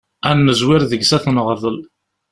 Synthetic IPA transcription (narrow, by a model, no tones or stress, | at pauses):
ænːəzwɪɾðəɡsæθnʁəðˤəl